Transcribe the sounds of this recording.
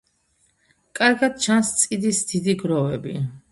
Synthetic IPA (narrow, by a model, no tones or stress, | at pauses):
kʼaɾɡad̪̥̚t͡ʃʰanst̪sʼid̪isd̪̥id̪iɡɾɔvɛbi